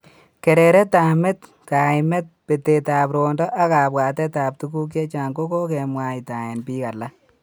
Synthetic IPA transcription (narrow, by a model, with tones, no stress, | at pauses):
ke˨ɾe˨ɾɛ˦ta˨me˦t | ka˨ɪmɛ˦t̚pe˨te˨taː˨pɾo˨ndɔ˦ʔa˦ka˨bwaː˨tɛ˦taː˨p̚tu˦k̬u˦k̬je˦t͡ʃa˨ŋko˦ko˦ke˨mwa˨i˨ta˨e˨npi˦ka˨la˦